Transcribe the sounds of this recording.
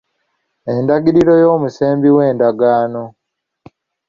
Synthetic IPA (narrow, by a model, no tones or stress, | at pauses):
endaɡiɾiɾo̞joːmuseːmbiwe̞ːndaɡaːno̞